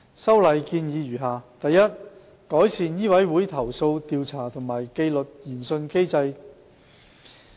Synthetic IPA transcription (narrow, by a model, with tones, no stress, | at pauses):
sɐ˥wlɐ˨˧jkiː˧njiː˨˧jyː˨˩ɦaː˨t̪ɐ˨jːɐ˥t̚ | kɔː˨˥jsiː˨njiː˥wɐ˨˥jwuː˨˥jt̪ʰɐ˨˩wso˧wt̪iː˨˧wt͡sʰaː˨˩t̪ʰʊ˨˩ŋmaː˨˩jke˧jlɵ˨t̚jiː˨˩nsɵ˧nke˥jt͡sɐ˧j